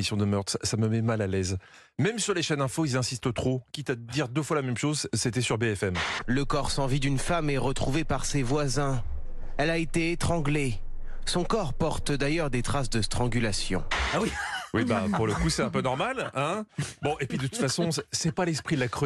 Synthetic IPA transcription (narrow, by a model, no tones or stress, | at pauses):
isjɔ̃d̪əmœʁt̪χsaməmɛmalalɛz | mɛmsyʁleʃɛnɛ̃foilzɛ̃sist̪ət̪χokʲit̪ad̪iʁd̪əfwalamɛmʃozset̪ɛsyʁbeɛfɛmləkɔʁsɑ̃vid̪ynfamɛʁət̪χuvepaʁsevwazɛ̃ | ɛlaet̪eːt̪χɑ̃ɡle | sɔ̃kɔʁpɔʁt̪d̪ajœʁd̪et̪χasd̪əst̪χɑ̃ɡylasjɔ̰̃awiwibapuʁləkusɛt̪ɛ̃pønɔʁmalɛ̃bɔ̃ʔepɥid̪ət̪ut̪fasɔ̃ssɛpalɛspχid̪lakχø